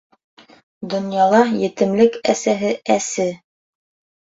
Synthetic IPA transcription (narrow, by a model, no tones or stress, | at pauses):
d̪ŏnjɑlˠɑjɘ̆t̪ɘ̆mlɘkæsæɦɘæsɘ